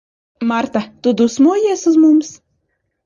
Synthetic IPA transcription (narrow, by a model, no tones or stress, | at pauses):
maɾt̪at̪ud̪usmuːjiɛsuzmums